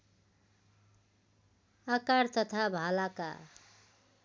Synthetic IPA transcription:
akaɾt̪ʌt̪ʰabʱalaka̰

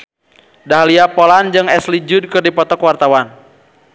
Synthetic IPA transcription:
daɦaliapɔland͡ʒɨŋɛslid͡ʒud̚kɨrdipɔt̪ɔkwart̪awan

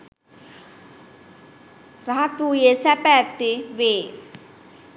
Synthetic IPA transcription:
ɾaɦat̪uːjesɛpɛt̪iʋeː

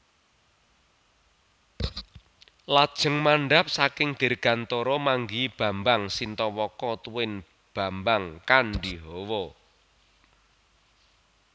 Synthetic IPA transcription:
lad̥ʒ̥ə̤ŋmaɳɖap̚sakɪŋd̪̥e̤rɡ̥ä̤nt̪oɾɔmaŋɡib̥ä̤mbaŋsint̪ɔwɔkɔt̪uwɪn | b̥a̤mbaŋkanɖiɦɔwɔ

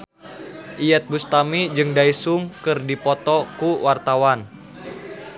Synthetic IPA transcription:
ʔijɛt̪̚bust̪amid͡ʒɨŋdaisuŋkɨrdipɔt̪ɔkuwart̪awan

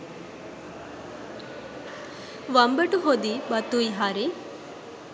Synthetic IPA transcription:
ʋɐmbɐʈuɦod̪ibɐt̪uiɦaːɾe

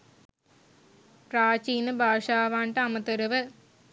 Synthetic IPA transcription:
praːt͡ɕiːnɨbʱaːʂaːʋaːɳʈɐɐmɐt̪ɐɾuʋɨ

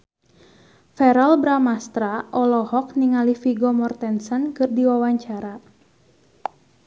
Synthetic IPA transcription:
fɛɾalbɾamast̪ɾaʔɔlɔhɔk̚niŋalifiɡɔmɔrt̪ɛnsɔnkɨrdiwawaɲt͡ʃaɾa

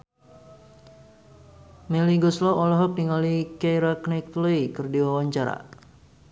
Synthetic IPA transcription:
meliɡɔslɔʔɔlɔɦɔk̚niŋalikajɾaknɛk̚t̪lɔjkərdiwawaɲt͡ʃaɾa̰

